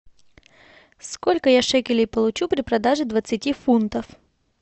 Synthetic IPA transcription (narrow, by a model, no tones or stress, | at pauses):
skolʲkəjaʂɛkʲɪlʲɪjpəlˠʊt͡ɕupɾʲɪpɾɐd̪aʐɨd̪vət̪sɨtʲifunt̪əf